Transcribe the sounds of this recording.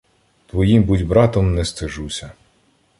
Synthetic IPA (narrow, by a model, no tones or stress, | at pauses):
t̪ʋɔjimbudʲbɾɑt̪ɔmnɛst̪ɪʒusʲɐ